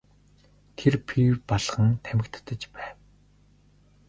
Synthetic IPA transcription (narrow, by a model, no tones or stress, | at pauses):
t̪ʰerpʰiwpaɮχə̆ŋt̪ʰæmɘ̆kt̪ʰːə̆t͡ɕpæːw